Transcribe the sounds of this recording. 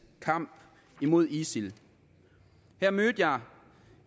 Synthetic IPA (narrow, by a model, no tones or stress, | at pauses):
kʰɑ̈m̰b̥ | imo̝ð̞ˠisil | heɐ̰møːd̥jɑ̈ɪ